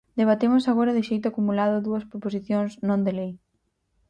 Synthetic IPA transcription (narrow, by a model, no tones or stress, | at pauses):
d̪eβ̞at̪emʊsaɣoɾɐðɪʃejt̪ʊakumulaðʊðuɐspɾopos̬iθjoŋznõnd̪elej